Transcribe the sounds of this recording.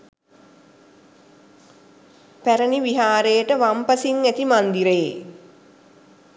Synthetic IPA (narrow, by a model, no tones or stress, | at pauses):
pæɾəniʋiɦaːɾejəʈəʋampəsiŋːæt̪imand̪iɾe